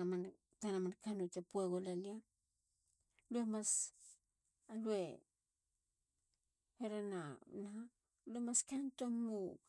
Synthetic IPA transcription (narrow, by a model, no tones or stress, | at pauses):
man | tanamankanut͡ʃapueɡolalia | luemas | alue̞ | heɾananaa | luemaskantommu